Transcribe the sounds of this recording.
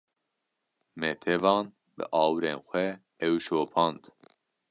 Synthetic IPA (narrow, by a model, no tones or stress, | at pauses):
mɛt̪ʰɛvɑːn | bɨ̰ʔɑːwɾeːnxʷɛ | ɛwʃoːpʰɑːnd̪